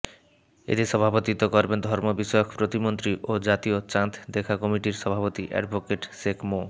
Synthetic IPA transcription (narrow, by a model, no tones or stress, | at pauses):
ḛt̪iʃɔbʱabot̪it̪okoɾbend̪ʱɔɾmobiʃjokʰpɾot̪imont̪ɾiʔod͡ʑat̪iot͡ɕant̪d̪ekʰakɔmiʈiɾʃɔbʱapot̪iʔɛ̰ɖbʱokeʈʃekmo